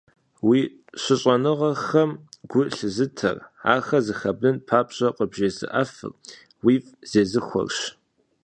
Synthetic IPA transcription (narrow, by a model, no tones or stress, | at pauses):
wiː | ɕʷɪɕʼɐnɨʁɐxɐmɡ̥ʷʊɬɨzɨtʰɐ̰ra̰ːxɐzɨxɐbnɨnpʰaːpɕʼɐqʼəbʒeːzɨ̰ʔɐfɨ̰r | wiːfʼz̥eːzɨxʷɔ̰rɕ